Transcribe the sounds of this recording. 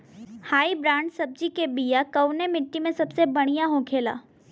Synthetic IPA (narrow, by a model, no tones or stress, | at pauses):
haːibɾãːɳɖsɐb̚d͡ʒikebijakɐwnemɪʈːimẽsɐbsebɐɽ̃ijaɦõːkʰeːla̰ː